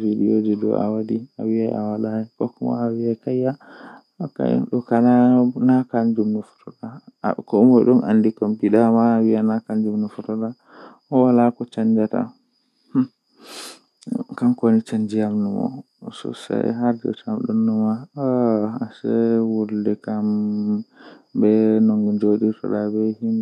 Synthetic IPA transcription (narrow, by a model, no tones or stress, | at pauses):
ɾiɗiod͡ʒɛdɔ̰ʔa̰wadia̰wiaʔawalaɛkɔ̰kːɔmɔ̰awiakajːa | ɔka̰ɗɔkananakand͡ʒumnufɔ̥tɔɗa̰kɔumɔɗɔnʔa̰ndikɔmtiɗamaːwianakand͡ʒumnufɔtɔɗa | hɔwalakɔt͡ʃaɲd͡ʒata̰ | kamkonit͡ʃaɲd͡ʒijamnumɔ̰ | sɔ̰sa̰jɦaɾd͡ʒɔ̰tamɗunːuma | asɛwuldɛkam | bɛnɔŋɡɛnd͡ʒoɗitɔ̰ɗabɛhin